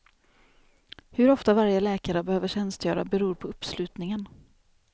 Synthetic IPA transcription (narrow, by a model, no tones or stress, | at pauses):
hɵɾɔft̪avaɾjəlɛːkaɾəbɛhøːvəɕɛnst̪jœːɾa̰bɛɾuːɾpʰɔɵpslʉ̟ːt̪nɪŋən